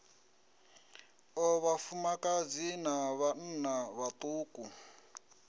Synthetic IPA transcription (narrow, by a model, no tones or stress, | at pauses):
ɔβafumakad͡zinaβan̩naβat̪ʼuːku